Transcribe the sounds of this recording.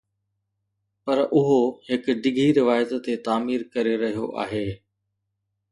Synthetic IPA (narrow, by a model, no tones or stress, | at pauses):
pɐɾʔʊɦohɪkɖɪɡʱiɾɪʋaːjət̪t̪et̪aːmiːɾkɐɾeɾɐɦijo̰ʔa̰ːɦeː